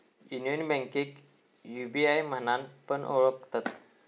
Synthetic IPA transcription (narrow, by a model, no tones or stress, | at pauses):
junjonbə̃ŋkik | jubiajmənanpənʔo̰ɭəkt̪at̪